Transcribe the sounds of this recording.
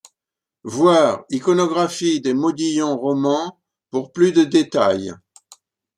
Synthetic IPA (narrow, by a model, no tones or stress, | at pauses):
vwaːʁikɔnɔɡʁafid̪emɔd̪ijɔ̃ʁɔmɑ̃ | puʁplyd̪əd̪et̪a̰j